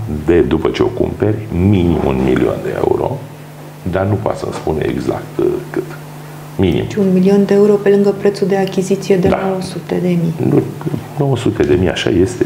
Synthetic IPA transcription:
d̪ed̪upət͡ʃeo̞kṵmperʲminimṵnmilio̰nd̪eḛṵɾo̞̰ | d̪anupoa̰t̪sə̰mspuneḛɡza̰kt̪kɨt̪ | minḭmʃiunmilio̞nd̪eeuɾo̞pe̞lɨŋɡəpɾet̪suld̪e̞akʲizit̪sije̞d̪ed̪nowəsut̪e̞d̪e̞mijnuno̞wəsut̪ed̪e̞mija̰ʃa̰je̞st̪e

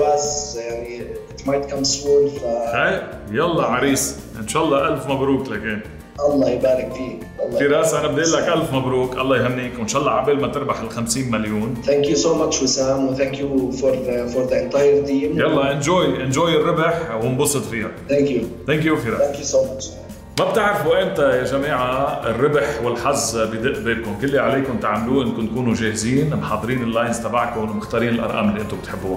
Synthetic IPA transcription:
basjaʕniɪt̪majt̪kamsuːnfahej | jɑlˤːɑʕɑɾiːs | ʔɪnʃaːɑlˤːɑʔalfmabɾuːklakeːn | ʔɑlˤːɑːjbaːɾɪkfiː | ʔɑlˤːɑfiːɾɑːsʔanabd̪eːʔlːakʔalfmabɾuːkʔɑ̰lˤːɑːjɦɪmːiːkwɪnʃɑːʔɑlˤːɑʕabeːlmat̪ɪɾbaħɪlxamsiːnmaljuːnθæŋkjusoːmat͡ʃwɪsaːmwɪθæ̃ŋkjufɔɾfɔɾðəɪ̃nt̪ɑjəɾd̪iːmjɑlˤːɑʔɪnʒoːjʔɪnʒoːjɪrːɪbɪħwɪnbʊsˤːɨt̪ˤfiːhaθæ̃ŋkjuθæŋkjufiːɾaθæ̃ŋkjusomat͡ʃ | mab̚t̪ɪʕɾɪfuʔɪnt̪ajaʒamiːʕaɪrːɪbħwɪlħazːbɪd̪ɪʔb̪eːlkʊmkɪlːiʕaleːkʊnt̪aʕmaluːʔɪnkʊnt̪kuːnuʒeːhɪziːnmħɑːd̪ˤɾiːnɪlːaːjzt̪abaʕkʊnwmɪxt̪ɑːɾiːnɪlʔɑ̰ɾˤʔɑ̰ːmɪlːiʔɪnt̪ʊb̚ɪt̪ħɪbːu

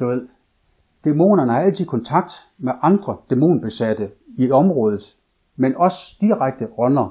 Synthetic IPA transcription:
d̥uʋe̝ð̰ˠ | d̥emo̝̰ːnɐnəhɑ̈æl̰t͡sʰikʰɒ̽nt͡sʰɑ̈ɡ̥̚d̥ | meʔɑ̈nd̥ʁɐd̥e̝mo̝̰ːnb̥e̝sæd̥əiɒ̽mʁɔ̽ːð̞ˠð̩ˠ | menɒ̽sd̥iʁaɡ̥̚d̥əɒnɐ

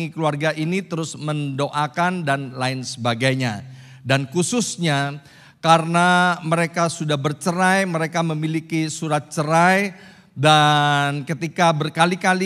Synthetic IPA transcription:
ikəluarɡaʔinit̪əɾʊsməndoʔakandanlaɪnsəbaɡajɲa | dankususɲa | kaɾənaməɾekasudahbərt͡ʃəɾajməɾekaməmilikisuɾat̪̚t͡ʃəɾaj | dankət̪ikabərkalikali

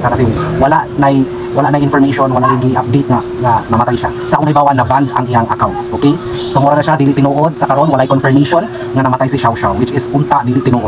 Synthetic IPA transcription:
sakɐsɛwɐlaʔnɐj | wɐlaʔnɐjʔɪnfoɾmejʃonwɐlaʔɪɡɪʔap̚d̪ejt̪̚ŋɐ | nɐnɐmɐt̪ajʃa | sɐʔkoŋnɐjbaːwaʔnɐbanʔɐ̰ŋʔɪjaŋʔɐkaw̪ʔokɛj | somoɾanɐʃad̪iːlɪʔt̪ɪnuːʔod̪̚sɐkɐɾʔo̞nwɐlajkonfɛɹmejʃon | ŋɐnɐmɐt̪ajsɐʃawʃawwɪt͡ʃɪsʊnt̪aʔd̪iːlɪt̪ɪnoːʔo

